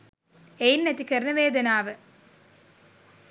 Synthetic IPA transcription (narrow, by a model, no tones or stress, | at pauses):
ejnːɐt̪ːikɐɾnɐʋeːd̪ɐnaːʋɐ